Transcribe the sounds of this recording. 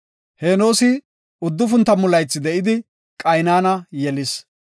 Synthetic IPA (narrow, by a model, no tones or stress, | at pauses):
he̞ːno̞ːsɪ | ʊd̪ːʊfʊnt̪ːɐmʊlɐjt͡sːɪd̪ɛʔɪd̪ɪ | kʼɐjnaːnɐjɛlɪs